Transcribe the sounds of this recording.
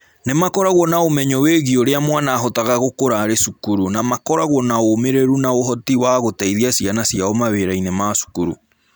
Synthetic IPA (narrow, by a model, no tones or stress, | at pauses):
nemakɔɾaɣwɔnaomɛɲɔweɣioɾeamwanaːɦɔtaɣaɣokoɾaɾesukuɾunamakɔɾaɣwɔnaomeɾeɾunaoɦɔtiwaɣotaiðiasianasiaɔmaβeɾainemasu̥kuɾṵ